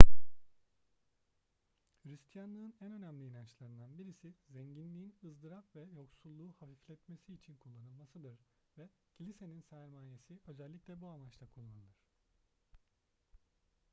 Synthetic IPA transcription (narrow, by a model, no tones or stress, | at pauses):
fɾist̪ʰijanlˠɯːnænø̞næmlʲiːnant͡ʃlˠaɾɯnd̪anbiɾisizɛɲɟinlʲiːinɯzd̪ɯɾapvɛjo̞ksulˠːuːhafiflʲɛt̪mesiːt͡ʃʰinkʰulˠːanɯlˠmasɯd̪ɯɾ̥ | vɛ | cʰilʲise̞ninsɛɾmaːjesiø̞zɛlʲːicʲlʲɛbuamat͡ʃt̪ʰakʰulˠːanɯd̪ɯɾ̝̥